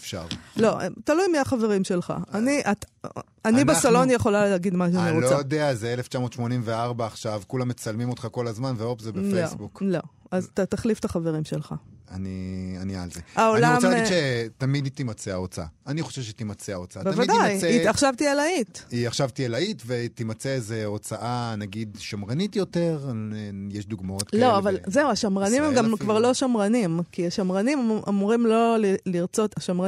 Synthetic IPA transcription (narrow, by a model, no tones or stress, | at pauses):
efʃa̰ʁlo̰t̪alujmiaχave̞ʁimʃe̞lχa̰aniʔat̪ | aninbesalo̞njeχo̞laleɡid̪maʃ̬emeʁlajod̪eazeeleft͡ʃamo̞t̪ʃmo̞nimveaʁbaːχʃavkulamːet͡salmimot̪χako̞lazmanveopzebefeosbuklo̞azt̪at̪aχlift̪aχave̞ʁimʃelχa̰aniania̰lzeaoliamaaɡʃet̪amid̪t̪imat͡seaot͡saa̰aniχoʃevʃet̪imat͡seaot͡saabevaidajeiaχʃavt̪ielait̪iaχʃavt̪ielaitvet̪imat͡seezeot͡saʔanaɡid̪ʃamʁanit̪jo̞t̪eʁejeʃd̪uɡmaot̪klo̞avalzeuaʃamʁanimemɡamkvaʁlo̞ʃamʁanimkiaʃamʁanimʔamuʁimlo̞liliʁt͡so̞t̪aʃamʁa